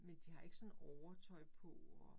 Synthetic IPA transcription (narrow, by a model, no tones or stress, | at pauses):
mend̥iɦɑ̈e̝ɡ̥əsɔ̽nɒʊɐt͡sʰɒɪpʰɔɒ